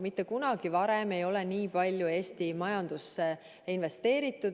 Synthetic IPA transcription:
mit̪ˑːe̞kunɑɡ̥ivɑɾeme̞jo̞lɛniːpɑlʲːjue̞ːst̪imɑjɑnd̪̥usːe | inve̞st̪e̞ːɾit̪ːˑud̪

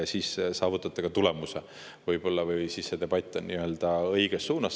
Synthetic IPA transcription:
siːssɑːvut̪ːˑɑt̪ːˑeɡ̥ɑt̪ule̞muse | vɤjb̥o̞lːɑvɯjsisːed̪e̞b̥ɑt̪ʲˑːonniø̞ld̪̥ɑɤjɡ̥esːuːnɑs

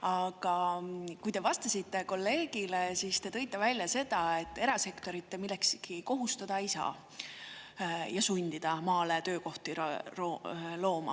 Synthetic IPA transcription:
ɑɡ̥ɑkujt̪e̞vɑst̪ɑsit̪ːe̞ko̞lːe̞ːɡile̞sist̪e̞t̪ɤ̞jt̪ːˑevælʲjɑse̞d̪̥ɑe̞t̪ːˑe̞ɾɑse̞kt̪o̞ɾit̪ːe̞milːe̞kskiko̞ɦust̪ɑd̪̥ɑisɑ̰ | jɑsunʲd̪̥id̪̥ɑmɑːle̞t̪ø̞ːko̞ht̪irolo̞ːmɑ̰

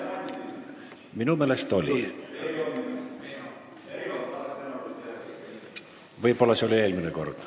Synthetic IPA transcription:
minume̞ːlest̪o̞lʲi | vɤjbo̞lːɑseo̞lʲie̞ːlmineko̞rd̪̥

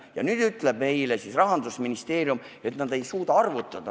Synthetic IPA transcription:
jɑ̰nyːd̪̥yt̪ːˑle̞b̥̚me̞jlesisrɑɦɑnd̪usminist̪e̞ːrjum | e̞t̪nɑd̪e̞jsuːd̪ɑɑrvut̪ːˑɑd̪̥ɑ

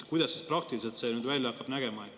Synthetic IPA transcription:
kujd̪̥ɑsːisprɑkt̪iliselt̪se̞nyd̪vælʲjɑɑkːˑɑb̥næɡ̥e̞mɑe

